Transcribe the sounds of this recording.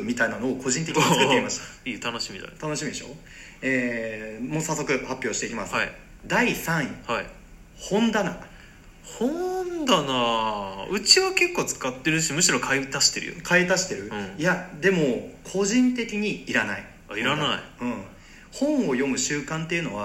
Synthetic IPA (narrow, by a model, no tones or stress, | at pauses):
mʲit̪ainano̞ːko̞ʑĩnt̪e̞kʲɨ̥kɯeimaɕi̥t̪ḁiːt̪anoɕimʲid̪a̰t̪ano̞ɕimʲid̪eɕo̞̰ | eːmoːsasːo̞kɯ̟hapʲːjo̞ːɕi̥t̪e̞ikʲimasɨi | d̪aisãɰ̃ihai | hõ̞nd̪ana | hõnd̪ana | ɯ̟t͡ɕiβake̞kːoːt͡sɨ̥kat̪ːeɾɯ̟ɕimɯ̟ɕiɾo̞kʰait̪aɕi̥t̪eɾɯ̟jo̰kʰait̪aɕi̥t̪e̞ɾɯ̟̃jad̪e̞mo̞kʰo̞ʑĩnt̪e̞kʲiɲ̟iːɾanai | iɾanaḭɯ̟̃ɴ | hõ̞ɰ̃o̞jo̞mɯ̟ɕɨːkãnt̪e̞jɯ̟no̞βa